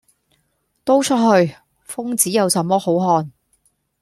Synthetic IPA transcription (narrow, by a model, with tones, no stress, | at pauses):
t̪o˥wt͡ʃʰɵ˥t̚hɵ˧ɥ | fʊ˥ŋt͡siː˨˥jɐ˨˧wsɐ˨˥mːɔː˥ho˨˥wɦɔː˧n